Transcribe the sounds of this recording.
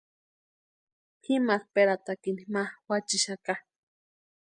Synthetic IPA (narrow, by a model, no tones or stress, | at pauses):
hʰimaχpeɾat̪akinimawat͡ʃiʃaka